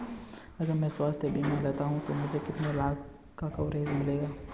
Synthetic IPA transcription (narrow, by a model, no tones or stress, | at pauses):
ɐɡəɾmɛ̃swaːst̪ʰebʱimɛ̃leːt̪aɦũt̪omʊd͡ʒʱekɪt̪nelaːɡ | kakɐwɾeːzmɪleːɡaː